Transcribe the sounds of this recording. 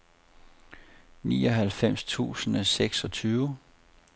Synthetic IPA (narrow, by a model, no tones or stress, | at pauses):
nḭːɒ̽ɦælfem̰st͡sʰṵːsən̩æseɡ̥sɒ̽t͡sʰyːʊ